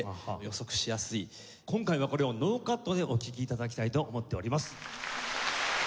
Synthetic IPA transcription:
jo̞so̞kɯ̟̥ɕijasɨi | kõ̞ŋkaiβ̞ako̞ɾe̞o̞no̞ːkat̪ːo̞d̪e̞ʔo̞kʲikʲiːt̪ad̪ak̬ʲi̥t̪ait̪o̞ʔːmo̞t̪ːe̞o̞ɾʲimasɨ̥

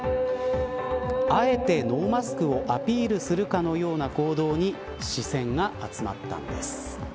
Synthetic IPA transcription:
ae̞t̪e̞no̞ːmasɨ̥kɯ̟o̞ʔapʲiːɾɯ̟sɨɾɯ̟kano̞jo̞ːnako̞ːd̪o̞ːɲ̟i | ɕisẽ̞ŋɡaat͡sɨma̰t̪ːã̰nd̪e̞sɨ̥

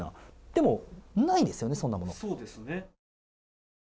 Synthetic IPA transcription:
na̰d̪̥e̞mo̞naid̪e̞sɨjo̞ne̞sõ̞nːamo̞no̞soːd̪e̞sɨne

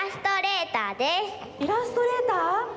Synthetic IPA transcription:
ast̪ɔɾet̪ad̪e | piɾast̪ɔɾet̪a

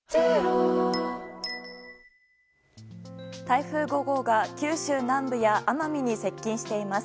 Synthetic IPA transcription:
t̪aiɸɯ̟ːɡo̞ɡo̞ɡakʲɨːɕɨːnãmbɯ̟jaʔamamʲiɲ̟ise̞kʲːĩɰ̃ɕi̥t̪e̞imasɨ̥

